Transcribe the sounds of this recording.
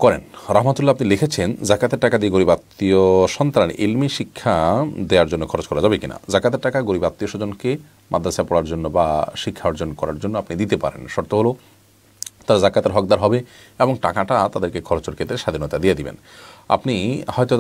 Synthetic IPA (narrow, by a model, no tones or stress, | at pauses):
kɔɾenɾaɦmat̪ulːaapnilekʰet͡ɕʰend͡ʑakat̪eɾʈakad̪ieɡoɾibat̪ːioʃɔnt̪ɾan̰ʔilmiʃikʰːad̪eaɾd͡ʑonːokʰɔɾot͡ɕkɔɾad͡ʑabekina̰d͡ʑakat̪eɾʈakaɡoɾibat̪ːioʃod͡ʑonke | mʔad̪ʱːasapɔɽaɾd͡ʑonːobaʃikʰːaoɾd͡ʑonkɔɾa̰ɾd͡ʑonːoapnid̪it̪epa̰ɾḛnʃoɾt̪oɦolo | t̪aɾd͡ʑakːat̪eɾɦɔk̚d̪aɾɦɔbe | eboŋʈakaʈat̪ad̪eɾkekʰɔɾot͡ɕoɾkʰet̪ɾeʃad̪ʱinot̪ad̪ijed̪ibḛn | a̰pnihɔjt̪o